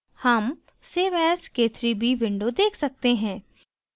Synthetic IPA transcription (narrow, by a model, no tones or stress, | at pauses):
hɐm | seːʋɛːskeːt̪ʰɾibʱiʋɪ̃ɳɖod̪eːkʰsɐk̚t̪eɦɛ̃ː